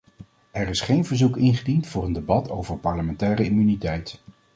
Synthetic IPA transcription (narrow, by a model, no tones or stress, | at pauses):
ɛɹɪsχejnvəɹzukɪnχədintfʊːɹəndebɑtʰowvəɹpɑɹləmɛntɛːrəimynitɛjt